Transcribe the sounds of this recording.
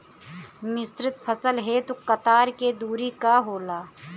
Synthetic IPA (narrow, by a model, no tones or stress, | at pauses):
mɪst̪ɾɪt̪̚pʰəsəlɦet̪okɐt̪aːɾked̪uːɾikaɦoːlaː